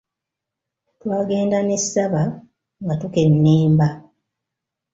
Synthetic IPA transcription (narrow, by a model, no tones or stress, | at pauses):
twaːɡe̞ːndanessaβa | ŋɡatuke̞nːeːmba